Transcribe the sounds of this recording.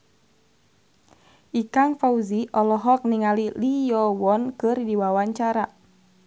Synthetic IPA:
ʔikaŋfauziʔɔlɔɦɔk̚niŋalilijɔwɔnkɨrdiwawaɲt͡ʃaɾa

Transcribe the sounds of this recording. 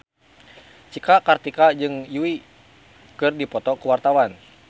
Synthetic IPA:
t͡ʃikakart̪ikad͡ʒɨŋjuwi | kɨrdipɔt̪ɔkuwart̪awan

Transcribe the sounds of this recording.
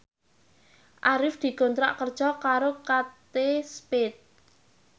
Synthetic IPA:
ʔaɾɪfd̪̥i̤ɡ̥o̤nt̪ɾa̰ʔkərd̥ʒ̥ɔkaɾokat̪espɪt̪̚

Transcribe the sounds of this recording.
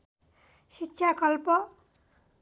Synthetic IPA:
ʃitːʃʰakɔlpɔ

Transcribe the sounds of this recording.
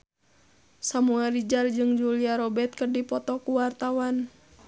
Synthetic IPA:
samuɛlɾid͡ʒard͡ʒɨŋd͡ʒuliaɾɔbɛt̪̚kərdipɔt̪ɔkuwart̪awan

